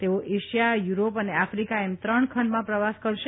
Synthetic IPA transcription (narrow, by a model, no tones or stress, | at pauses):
t̪eoʔeʃijajuɾopəneafɾikaemt̪ɾəɳkʰəɳɖmãpɾəʋaskəɾʃe